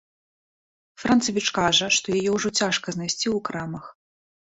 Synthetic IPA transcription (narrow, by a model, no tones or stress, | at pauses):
fɾant̪sɐvʲit͡ʂkaʐɐʂt̪ɔjajɛwʐɔt͡sʲaʂkɐznajsʲt͡sʲiwkɾamɐx